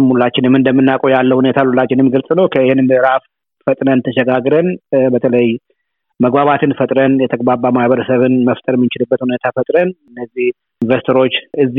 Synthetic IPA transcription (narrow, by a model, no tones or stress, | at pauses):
mhulːat͡ʃːɪnɨmɨnd̪əmːɨnːakʼujalːəhune̞t̪ʰalulːat͡ʃːɪnɨmɡɨlsʼɨnəwkʰəhnɨmbəɨɾaf | fət̪ʼnənt̪ʰəʃɛɡaɡɾənbət̪ʰələj | məɡbaβat̪ʰɨnfət̪ʼɾənjɛt̪ʰəɡbaɾbamahβəɾəsəβɨnməft̪ʼəɾmːɨnt͡ʃɪlɨbːət̪hune̞t̪ʰafət̪ʼɾənɨnːəzːih | nvəst̪ʰəɾo̞t͡ʃːɨzː